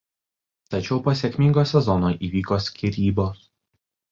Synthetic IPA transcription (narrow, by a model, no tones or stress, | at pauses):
t̪ɐt͡ʃʲɛʊposʲekʲmʲɪŋɡoːsʲɛzɔnoːʔiːʋʲiːkosʲkʲiɾʲiːboːs